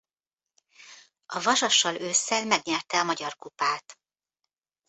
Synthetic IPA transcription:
ɒvɒʒɒʃːɒløːsːɛlmɛɡɲɛrt̪ɛɒmɒɟɒrkupaːt̪

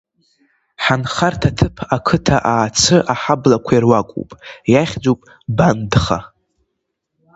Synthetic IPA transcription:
ħanχartʰatʰɨpʰakʰɨtʰaʔaːt͡sʷʰɨʔaħablakʷʰajirwakʷʼṵpʼjaχʲd͡zowpʼ | bandχa̰

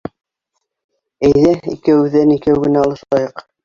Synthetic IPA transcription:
æjðæḭkæwʉðænikæwɡɘ̆næɑlˠɤ̆ʃqɑjɤq

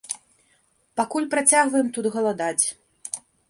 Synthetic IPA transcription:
pakulʲpɾat͡sʲaɣvɐjɛmt̪ud̪ɣɐlˠad̪at͡sʲ

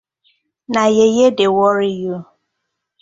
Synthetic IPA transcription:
najejedewɔɾɪju

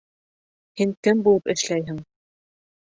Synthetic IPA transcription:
hiŋkɘmbulˠɤpɘ̆ʃlæjɦɘŋ

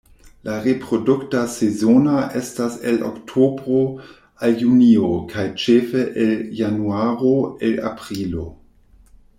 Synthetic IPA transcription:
laʁepʁoduktasezonaʔe̞stase̞lʔo̰ktʰobʁo | aljuniokʰajt͡ʃefeʔeljanuaʁoela̰pʁilo̰

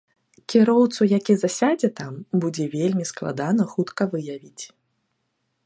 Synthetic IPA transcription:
kʲiɾɔwt̪sujakʲizasʲad͡zʲɛt̪ambud͡zʲɛvʲelʲmʲisklˠa̰d̪anɐxut̪kɐvɨjavʲit͡sʲ

